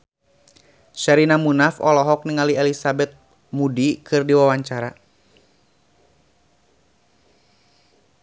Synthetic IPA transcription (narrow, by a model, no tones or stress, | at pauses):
ʃaɾinamunafɔ̰lɔɦɔk̚niŋaliɛlisabɛt̪̚ | mudikʰɨrdiwawaɲt͡ʃaɾa